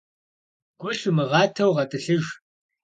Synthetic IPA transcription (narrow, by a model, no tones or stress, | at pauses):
ɡ̥ʷʊɬʊmɨʁɑːtʰɐwʁɐtʼɨɬɨʒ